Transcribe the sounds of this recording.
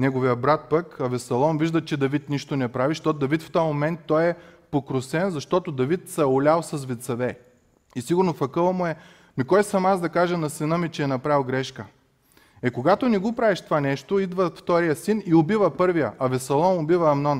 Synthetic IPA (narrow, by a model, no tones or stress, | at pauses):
nɛɡovijəbɾat̪̚pəkɐvɛsɐlˠɔnviʒd̪ət͡ʃɛd̪ɐvit̪niʃt̪onɛpɾaviʃt̪ɔt̪d̪ɐvit̪ft̪ɔjmomɛnt̪ːɔjɛpokɾʊsɛnzɐʃt̪ɔt̪od̪ɐvit̪sɐɛʊlʲalˠsɐsvɛt̪sɐvɛ | isiɡʊɾnofɐkɤlˠɐmʊɛ | mikɔjsɐmazd̪ɐkaʒɐnɐsɛnəmit͡ʃɛːnɐpɾalˠɡɾɛʃkə | ɛkoɡat̪onɛɡopɾavɛʃt̪ovanɛʃt̪oid̪vəft̪ɔɾijəsiniobivɐpɤɾvijəʔɐvɛsɐlˠɔnobivɐːmnɔn